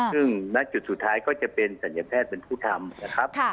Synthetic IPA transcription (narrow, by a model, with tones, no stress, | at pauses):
sɯ˥˩ŋna˦˧˥t͡ɕu˨˩t̪̚su˨˩t̪ʰːaː˦˥jkɔː˥˩t͡ɕa˨˩pe˧nsa˩˦nja˧˥p̪ʰɛː˥˩t̪̚pe˧npʰuː˥˩t̪ʰa˧mna˦˥kʰa˦˥p̚ʰ